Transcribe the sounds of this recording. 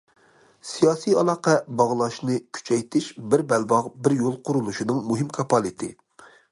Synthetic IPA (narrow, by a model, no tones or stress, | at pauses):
sijɑːsijɑlˠɑːqɛbɑʁlˠɑʃnɨkʲʰy̥t͡ʃʰɛjt̪ʰɪʃbɪɾbɛlbɑʁbɪɾjolˠqʰʊɾulˠuʃinɨŋmuɦɪmkʰɑpʰɑlˠɨt̪ʰɪ